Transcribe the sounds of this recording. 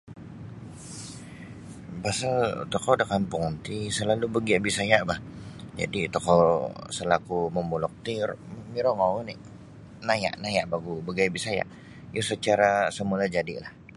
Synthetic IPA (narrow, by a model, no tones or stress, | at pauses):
pasalt̪ɔkɔdakanpoŋnt̪isəlalubəɡiaʔbisajaʔbahd͡ʒa̰dit̪okɔsəlakuməmulɔk̚t̪iɾmiɾɔŋawniʔ | naja̰ʔnajaʔbaɡubəɡiabisaja̰ʔ | jasət͡ʃaɾasəmulad͡ʒadḭlah